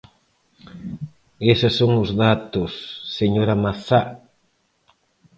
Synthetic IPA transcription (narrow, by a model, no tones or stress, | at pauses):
esɪsːoŋʊzðat̪ʊsːeɲoɾɐmaθa